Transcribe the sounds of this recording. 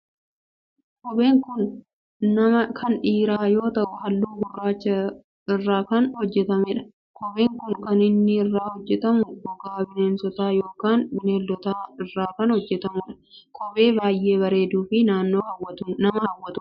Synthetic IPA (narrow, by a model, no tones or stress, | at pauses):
kɔbeːŋkʊnː | ɐmɐkʰɐnᶑiːɾaːjo̞ːt̪ɐʔʊɦɐlːuːɡʊrːaːt͡ʃːɐ | ɪrːaːkɐnhɔd͡ʒːɛt̪ɐmɛᶑɐ̥ | kʰɔbeːŋkʊŋkɐnɪnːɪɪrːaːhɔd͡ʒːɛt̪ɐmʊbʊɡaːbɪneːnsɔt̪aːjo̞ːkaːnbɪneːlːɔt̪aːɪrːaːkɐnhɔd͡ʒːɛt̪ɐmʊːᶑɐ̥ | kʰʼɔbe̞ːbaːjːe̞ːβɐɾe̞ːd̪uːfɪnaːnːoːhɐwːɐt̪ʊnɐmɐhɐwːɐt̪ʊ̥